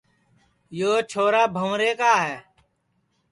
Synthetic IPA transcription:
joːt͡ʃʰoːɾaːbʱəmɾeːkaːɦɛː

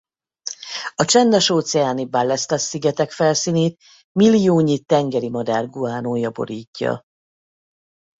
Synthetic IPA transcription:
ɒt͡ʃɛnd̪ɛʃoːt̪sɛaːnibalːɛst̪ɒsiɡɛt̪ɛkfɛlsiːneːt̪ | milːijoːɲit̪ɛŋɡɛɾimɒd̪aːrɡuaːnoːjɒbo̞̰ɾiːcːɒ̰

